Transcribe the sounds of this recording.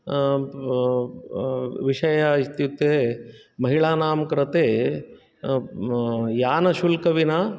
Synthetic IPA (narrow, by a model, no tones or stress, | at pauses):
ʋiʂɐjaist̪jut̪ːe | mɐɦiɭaːnaːmkɐɾɐt̪eː | jaːnɐʃulkɐʋina